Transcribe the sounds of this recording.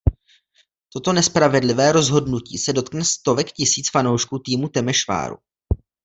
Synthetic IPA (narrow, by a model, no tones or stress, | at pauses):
t̪o̞t̪o̞nɛspɾavɛdlɪvɛːɾo̞zɦo̞dnuciːsɛdo̞t̪knɛst̪o̞vɛkcɪsiːt͡sfano̞wʃkuːt̪iːmut̪ɛmɛʃva̰ːɾṵ